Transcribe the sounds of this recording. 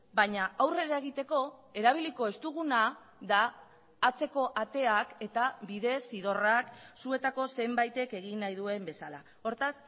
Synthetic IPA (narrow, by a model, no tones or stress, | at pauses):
baɲaawre̞ɾae̞ɣ̞it̪e̞ko̞e̞ɾaβ̞iliko̞e̞st̪uɣ̞una | ðaː | t͡se̞ko̞ʔat̪e̞ake̞t̪aβiðe̞siðo̞raksue̞t̪ako̞se̞mbajt̪e̞ke̞ɣ̞inːajðue̞mbe̞sala̰ | o̞ɾt̪as